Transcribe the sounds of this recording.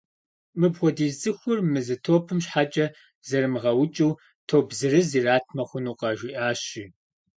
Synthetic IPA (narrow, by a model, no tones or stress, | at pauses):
mɨbʁʷɔdiːzzɨxʷʊrmɨzɨtʰoːpʰɨmɕħat͡ʃʼɐ | zɐrmɨʁɐwʊt͡ʃʼɐw | tʰoːbzɨrɨziːraːtʰmɐχʷʊnuːqɐʒʷiʔaːɕiː